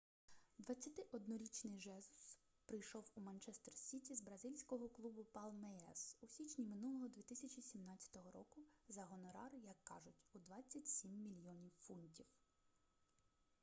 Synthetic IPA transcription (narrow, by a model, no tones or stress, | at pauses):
d̪ʋɐt͡sʲːɐt̪ɪʔɔd̪̚nɔɾʲit͡ʃnɪjʒɛzʊs | pɾɪjʃɔwumɐnt͡ʃɛst̪ɛrsʲitʲizbɾɐzʲilʲsʲkɔɦɔklˠubʊpɑlˠmɛɛsusʲit͡ʃnʲimɪnulˠɔɦɔd̪ʋʲit̪ɪsʲɐt͡ʃisʲimnɑt͡sʲːɐ̥t̪ɔɦɔɾɔkʊzɐɦɔnɔɾɑrjɐkːɑʒʊtʲud̪ʋɑt͡sʲːɐtʲsʲimːʲilʲjɔnʲiwfunʲtʲiw